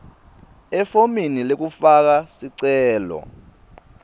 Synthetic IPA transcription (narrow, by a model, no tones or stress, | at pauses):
ɛfominilek̬ufak̬asiǀɛːlɔ̰